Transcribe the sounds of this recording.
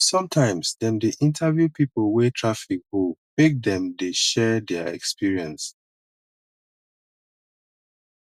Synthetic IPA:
sɔ̃mtʰãɪ̃msdɛ̃mdiʔĩntʰavjupipolwetʰɹafik̚homek̚dɛ̃mdeʃɛdɛaɛ̰kspiɹiɛ̃ns

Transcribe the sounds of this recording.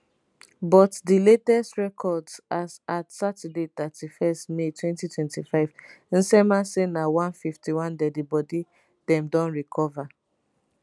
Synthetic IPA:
bɔtdiletɛstɹɛkʰɔdsazatsatɛdetatdifɛstmetwɛ̃ntitʰwɛ̃ntifaɪv | n̩sɛmasenawãnfiftiwãndɛdibɔdi | d̥ɛ̃mdɔ̃nɹikʰɔva

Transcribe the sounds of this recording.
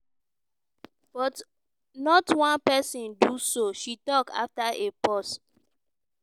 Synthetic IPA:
b̥ɔt | nɔtwãnpɛsĩndusoʃitɔka̰ftaʔepɔs

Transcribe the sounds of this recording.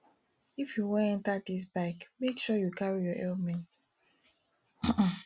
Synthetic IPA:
ifjuwɛɛ̃ntadis̬baɪkmekʃɔjukʰaɹijɔʔḛlmɛ̃nt

